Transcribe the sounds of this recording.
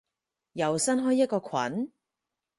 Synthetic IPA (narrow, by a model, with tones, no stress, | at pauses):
jɐ˨˩wsɐ˥nɦɔː˥jːɐ˥t̚kɔː˧kʰwɐ̰˨˥n